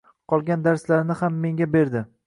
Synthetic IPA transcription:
qʰɒlˠɡʲand̪aɾslaɾnɪhamːe̞ŋɡʲabe̞ɾd̪ɪ

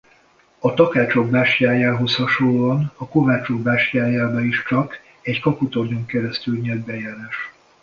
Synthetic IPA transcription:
ɒt̪ɒkaːt͡ʃo̞ɡ̚baːʃcaːjaːɦo̞shɒʃoloɒnɒko̞vaːt͡ʃoɡ̚baːʃjaːjaːbɒiʃt͡ʃɒk | ɛɟkɒput̪oɲoŋkɛɾɛst̪ylɲɛd̪bɛjaːɾaːʃ

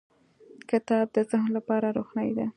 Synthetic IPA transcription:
kɪt̪ɑb̚d̪əzahnlapɑɾaɾoxnajd̪a

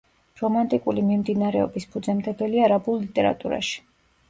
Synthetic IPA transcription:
ɾɔmant̪ʼikʼulimimd̪inaɾɛɔ̰bispʰud̪zɛmd̪ɛɡ̪ɛliaɾabulˠlit̪ʼɛɾa̰t̪ʼuɾa̰ʃi̥

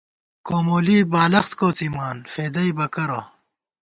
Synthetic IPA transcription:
koːmoːliːbaːlɐxt̪koːt͡simaːnfeːd̪ɐibɐkɐɾo̰

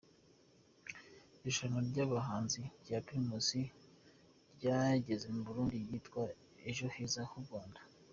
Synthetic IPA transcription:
iʃanoɾɟaβaɦaːnziɾɟapimusi | ɾɟaɟe̞ze̞muβuɾuːndijitkwa | eʒo̞hiːzahuɾɡwaːndḁ

